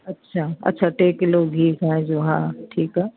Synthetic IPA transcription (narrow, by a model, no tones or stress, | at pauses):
ɐtːʃʰaɐ̰tːʃʰaʈeːkɪloɡʱiːkɛ̃d͡ʒoːɦãːʈʰiːkɦɛː